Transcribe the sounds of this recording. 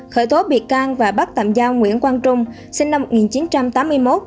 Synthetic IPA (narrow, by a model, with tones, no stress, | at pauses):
xəː˧˩jt̪o˨˦ɓḭ˧˩əkaː˧ŋvaː˨˩ɓa˦˥k̚t̪a̰˧˨mzaː˧wŋwḭ˧˨ənkwaː˧nt͡ɕʊ˧ŋ͡m | si˧ŋna˧mːo˨˩t̚ŋi˨˩nt͡ɕi˨˦nt͡ɕa˧mt̪aː˨˦mːɨ˧əjmo˦˥t̚